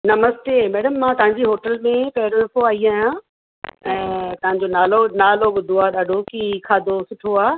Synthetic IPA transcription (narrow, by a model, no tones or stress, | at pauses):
nɐməst̪eːmɛːɽəmːãt̪ɐɦãɲd͡ʑiɦoːʈəlmẽpɛɦɾoɐpoaːiaːɦjã | ɛ̃ːt̪ɐɦãɲ̆d͡ʑonaːlonaːloːɡʊd̪ʱuaːɗaːɖʱokikʰaːd̪ʱosʊʈʰoaː